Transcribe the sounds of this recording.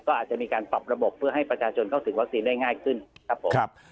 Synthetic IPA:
kɔː˥˩ʔaː˨˩t̪̚t͡ɕa˨˩miː˧kaː˧npa˨˩p̚ɾa˧bo˨˩pʰːɯ˥˩ɐɦa˥˩jpɾa˧t͡ɕʰaː˧t͡ɕʰo˧nkʰa˥˩wt̪ʰɯ˩˦ŋwa˦˥k̚siː˧ndaː˥˩jŋaː˥˩jkʰɯ˥˩nkʰa˦˥pʰːo˨˩˦p̚

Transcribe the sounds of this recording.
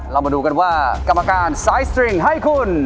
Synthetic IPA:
ɾa˧wmaː˧duː˧ka˧nwaː˥˩ka˧mːa˧kaː˧nsaː˨˦˥jst̪ɾi˧˩ŋɦa˥˩jkʰu˧˩n

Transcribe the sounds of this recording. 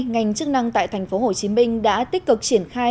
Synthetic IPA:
ŋa˨˩jŋ̟t͡ɕɨ˦˥k̚na˧ŋt̪a̰ː˧˨jt̪ʰa˨˩jŋ̟fo˨˦ho˨˩t͡ɕi˨˦mï˧ŋ̟ɗa̰ː˧˥t̪i˦˥k̚kɨ˨˩k̚t͡ɕi˧˩ənxaː˧

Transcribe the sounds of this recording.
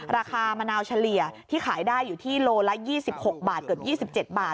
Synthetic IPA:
ɾaː˧kʰaː˧ma˧naː˧wt͡ɕʰa˧li˨˩ət̪ʰiː˥˩xʰaː˩˦jdaː˥˩jːuː˨˩t̪ʰiː˥˩loː˧la˦˥jiː˥˩si˨˩p̚ho˨˩k̚baː˨˩t̪̚kɤː˨˩p̚jiː˥˩si˨˩p̚t͡ɕe˨˩t̪̚baː˨˩t̚

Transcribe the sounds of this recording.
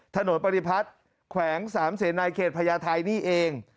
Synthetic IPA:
t̪ʰa˧no˩˦npa˧ɾi˧˩pʰa˦˥t̪̚ | kʰwɛː˩˦ŋsaː˩˦mseː˨˩˦na˧jkʰeː˨˩t̪̚pʰa˧jaː˧t̪ʰa˧jniː˥˩ʔeː˧ŋ

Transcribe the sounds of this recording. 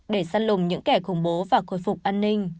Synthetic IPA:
ɗe˧˩saː˧nlʊ˨˩ŋ͡mɲɨ̰˧˥ŋkɛ˧˩xʊ˧˩ŋ͡mɓo˨˦vaː˨˩xo˧˩jfʊ˨˩k͡p̚ʔaː˧nːï˧ŋ̟

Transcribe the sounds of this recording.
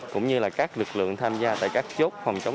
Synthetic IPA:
kʊ̰˧˥ŋ͡mɲɨ˧laː˨˩kaː˦˥k̚lɨ˨˩k̚lɨ̰˧˨əŋt̪ʰaː˧mzaː˧t̪a̰ː˧˨jkaː˦˥k̚t͡ɕo˦˥t̚fa˨˩wŋ͡mt͡ɕə˨˦ŋ͡m

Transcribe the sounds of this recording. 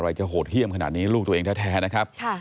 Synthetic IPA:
ɾa˧jt͡ɕa˨˩ɦoː˨˩t̪̚hʰi˥˩əmkʰa˧na̰ː˨˩t̪̚niː˦˥luː˥˩t̪u˧eː˧ŋt̪ʰːt̪ʰɛː˦˥na˦˥kʰa˦˥p̚kʰa˥˩

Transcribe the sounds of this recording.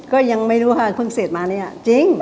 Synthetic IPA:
kɔː˥˩ja˧ŋmaː˥˩jɾuː˦˥kʰaː˧˩pʰɯ˧˥˩ŋseː˨˩t̪̚maː˧niː˦˥˩t͡ɕi˧˥ŋ

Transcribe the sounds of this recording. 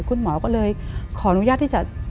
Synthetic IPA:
jkwu˧nmɔ˨˦kɔ̰˧˥ləː˨˩jxɔ˨˦nu˨˦jzaː˧t̪̚ʰi˧t͡ɕa̰˧˨˩

